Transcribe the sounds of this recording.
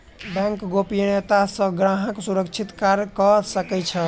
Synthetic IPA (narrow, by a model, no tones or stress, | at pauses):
bɛ̃ŋkɡopijnet̪asə̃ɡɾaɦəksuɾəkt͡ʃʰit̪kaɾkəsəkɛt͡ʃʰə